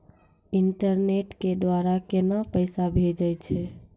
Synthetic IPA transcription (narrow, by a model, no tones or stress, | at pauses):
iɳʈəɾneʈked̪waɾakenapəɪsabʱed͡ʒəjt͡ʃʰɛ